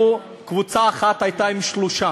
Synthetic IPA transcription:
u | kvut͡saːχat̪ajt̪aimʃluʃa

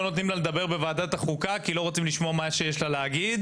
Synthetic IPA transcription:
onot̪nimlaled̪abe̞ʁbe̞vaːd̪at̪aχukakilo̞ʁot͡simliʃmoamaʃejeʃlaleaɡid̪

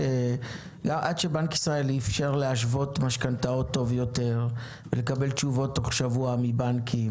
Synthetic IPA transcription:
e | ɡamʔadʃe̞bankisʁae̞lifʃeʁleaʃvo̞tmaʃkantao̞tːo̞vjo̞te̞ʁ | vele̞kabe̞lt͡ʃuvo̞tːoχʃavuamibankʰi

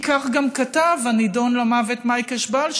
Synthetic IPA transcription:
kaχɡamkatavanidonlamavetmajkaʃbal

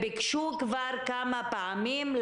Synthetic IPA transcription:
bikʃukvaʁkamapaamiml

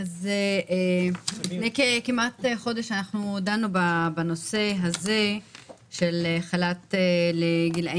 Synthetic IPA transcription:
azeʔe | nekekimʔat̪eχo̞d̪eʃanaχnud̪anubabano̞se̞ɦaze̞ | ʃeleχalat̪eleɡila

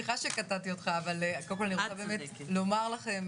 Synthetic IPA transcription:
iχaʃekatat̪io̞t̪χaːvalekolkolaniʁt͡sabeːmelo̞maʁlaχe̞m

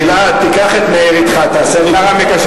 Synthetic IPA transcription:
la | t̪ikaχet̪meeʁit̪χat̪aːseliaʁamekaʃ

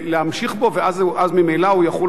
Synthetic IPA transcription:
leamʃiχbo̞veazʔazmimejlaujaχol

